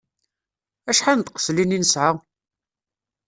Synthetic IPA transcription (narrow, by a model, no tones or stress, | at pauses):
æʃħant̪qə̥slininəsʕa